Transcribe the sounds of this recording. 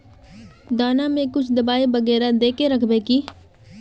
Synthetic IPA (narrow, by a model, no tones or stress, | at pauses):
d̪aːnamẽkʊt͡ʃʰd̪ɐbaːibɐɣɛːɾad̪eːkeɾɐkʰbeːkiː